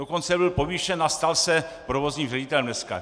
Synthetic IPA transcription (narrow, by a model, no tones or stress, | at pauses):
okont͡sɛbɪlpo̞viːʃɛnast̪alsɛpɾovozɲiːmrɛɟɪt̪ɛlɛmnɛska̰